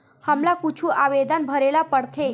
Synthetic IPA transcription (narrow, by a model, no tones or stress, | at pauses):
həmlakut͡ʃʰuʔaʋed̪anbʱəɾelapəɽt̪ʰe